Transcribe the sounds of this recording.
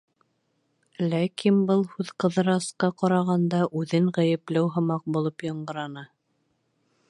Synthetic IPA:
lækʰinbɤlˠhʉðqɤ̆ðɤ̆ɾɑsqɑqɑɾɑʁɑnd̪ɑʔʉðɘŋʁæjɘ̆plæwɦɤ̆mɑq̚bulˠɤpjɑɴɢɤ̆ɾɑnɑ

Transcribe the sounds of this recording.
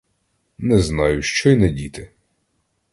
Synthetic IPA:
nɛznɑjʊʃt͡ʃɔjnɛdʲit̪ɪ

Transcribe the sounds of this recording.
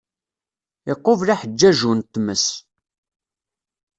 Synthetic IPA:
ɪqːovlæħəd͡ʒːæʒunt̪ːməs

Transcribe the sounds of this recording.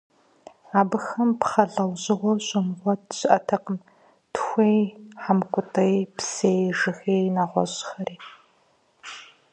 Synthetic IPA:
aːbɨxɐmpχɐɮɐwʑɪʁʷɔɕʼɪmʁʷɔtɕɪʔɐtʰɐqəm | tʰxʷejħamkʷʼʊtʼɐjpsejʒɨxeːnaːʁʷɔ̰ʑxɐɾiː

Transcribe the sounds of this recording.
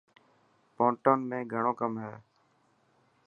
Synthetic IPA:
poːɳʈoːnmẽːɡʱəɳ̃oːkəmɦɛː

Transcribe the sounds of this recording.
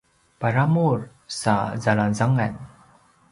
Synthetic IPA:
paɾamuɹ | sa̰zalanzaŋɛn

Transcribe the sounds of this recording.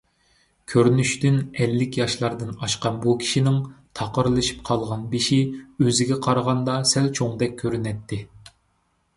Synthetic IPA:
kʲʰøɾnyʃt̪ynɛlːɪkʲjɑʃlˠɑɾd̪ɨnɑʃqɑnbukʲʰi̥ʃinɪŋt̪ʰɑqəɾlˠɨʃi̥pqʰɑlˠʁɑnbiʃiøzɪɡʲɛqʰɑɾʁɑnd̪ɑsɛlt͡ʃʰoŋd̪ɛk̚ʲʰːøɾynɛt̪ʰːɪ

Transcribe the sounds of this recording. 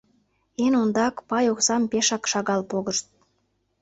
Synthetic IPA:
enond̪ɑkpɑjoksɑmpeʃɑkʃɑɣɑlpoɣəʃt̪̚

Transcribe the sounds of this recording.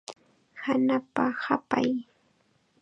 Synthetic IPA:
hanapahapaj

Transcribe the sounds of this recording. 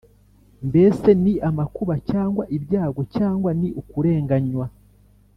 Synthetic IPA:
mbe̞se̞niʔamakuβacaːŋɡwaʔibjaːɡo̞caːŋɡwaniʔukuɾe̞ːŋɡaɲwa

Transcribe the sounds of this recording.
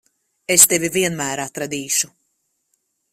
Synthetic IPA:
est̪evʲiviɛnmæːɾat̪ɾad̪iːʃu

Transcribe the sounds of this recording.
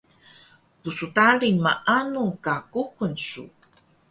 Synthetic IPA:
pusutaɾimaʔanuŋkakuxənsṵ

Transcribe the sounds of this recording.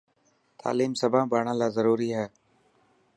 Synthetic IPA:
t̪ʰa̰ːliːmsəbʱãːbʱaːɳãːlaːzəɾuːɾiːɦɛː

